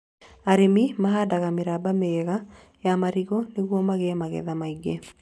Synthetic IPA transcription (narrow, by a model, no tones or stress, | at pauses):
aɾemimaɦadaɣameɾabameɣa | jamaɾiɣɔneɣwɔmaɣɛɛmaɣɛ̰ðamaiɡɛ